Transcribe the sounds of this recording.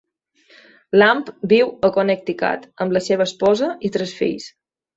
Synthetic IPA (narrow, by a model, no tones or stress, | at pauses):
lampbiwəkonək̚t̪ika̰t̪əmbləseβ̞əːspɔzəit̪ɾɛsfḭʎs